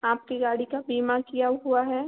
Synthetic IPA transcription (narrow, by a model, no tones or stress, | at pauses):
aːp̚keɡaːɽikabiːmakijaɦuaɦɛː